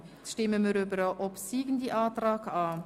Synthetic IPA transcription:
ʃtɪməməɾøbəɾaʔɔpsiːɡ̥ən̩diʔɑːtrɑːkɑː

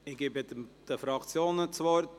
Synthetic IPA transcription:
ɪɡ̥ibəd̪̥əfɾɑkt͡sjoːnət͡svɔɾt

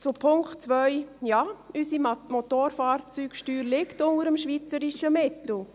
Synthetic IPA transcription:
t͡supʰʊŋkχtt͡sʋœʏjɑːysimot̪oːɾfɑːɾt͡syːkʃtyːɾlɪktʊnəɾəmʃʋiːt͡səɾiʃəmɪtl̩

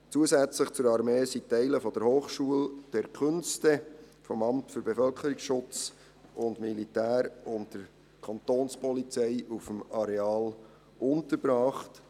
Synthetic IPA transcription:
t͡suəsæt͡sləχt͡sʊɾɑɾmeːsitːɛɪləfɔd̥əɾhoːχʃuəld̥ɛɾkʰʏnstəfɔmɑmtfʏɾbefœlkʰəɾiksʃʊt͡s | ʊndmilitæːɾʊntd̥əɾ | kʰɑnt̪oːnspɔlit͡sɛɪufəmɑɾeɑːl | ʊntəɾb̥ɾɑːχt

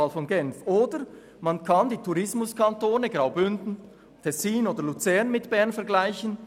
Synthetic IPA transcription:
alfɔnɡɛnfʔoːdə | mankʰɑndiːtʰuɾɪsmʊskʰantoːnəɡʁaʊbʏndn̩ | tʰɛsiːnoːdəlut͡sɛʁnmɪtb̥ɛɐnfɛɐɡlaɪçən

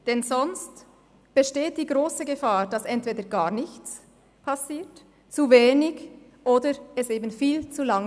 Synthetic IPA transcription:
d̥ɛnzɔnst | b̥əʃteːt̚d̥iːɡʁoːsəɡəfaːd̥asɛntv̥eːdəɡaːɐnɪçt͡s | pʰasiːt | t͡suveːnɪɡ | ʔoːdəɛseːbn̩fiːlt͡sulaŋ

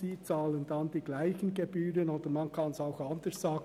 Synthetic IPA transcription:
iːt͡sɑːləndɑnd̥iːɡlaɪçənɡebyːɾənoːd̪əmɑnkʰɑnsɑʊxɑnd̥əɹsz̥ɑːɡ

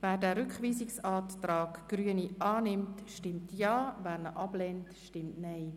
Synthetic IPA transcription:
væːɾdæːɾʏkχʋiːsɪksɑːttɾɑːkɡ̥ɾyəniʔɑːnɪmtʃtɪmtʰjɑːvæːɾnəʔɑb̥lɛntʃtɪmtnɛɪ

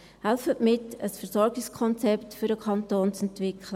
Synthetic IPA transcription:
hælfətmɪtəsfəɾsɔɾɡɪskʰɔnt͡sɛptfʏɾəkʰɑntoːnt͡sɛntʋɪkʰlə

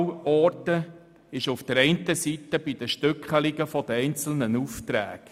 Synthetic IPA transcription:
ɔːɾtə | ɪʃufd̥əɾɛɪntəsit̪ːəb̥id̥̪əʃtʏkχəlɪɡəfɔd̥̪əɛɪnt͡sl̩nənuft̪ɾæ̰ːɡ̥

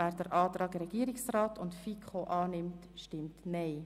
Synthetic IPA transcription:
æːɾd̥əɾʔɑːtɾɑːɡɾɛɡ̥iəɾɪksraːtʊntfikʰχoʔɑːnɪmt | ʃtɪmtnɛɪ

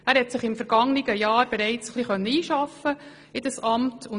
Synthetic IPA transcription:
æːɾhɛtsɪχɪmfɛɾɡ̥ɑŋnɪɡəjɑːɾb̥ɛɾɛɪt͡səχliχœnːəiːʃɑfə | ɪd̥̪əsɑmtʊ

